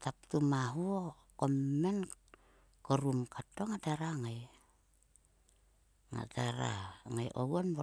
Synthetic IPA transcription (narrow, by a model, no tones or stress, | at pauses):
tap̚tumaɦuo | kommːen | koɾumkatːo̞ŋateɾaŋaj | ŋa̰teɾa̰ŋajʔo̰wonbo